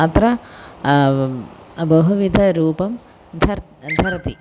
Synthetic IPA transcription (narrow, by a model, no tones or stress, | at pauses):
ɐt̪rɐ | bɐɦuʋid̪ʱɐɾuːpɐm | d̪ʱɐ | d̪ʱɐɾt̪i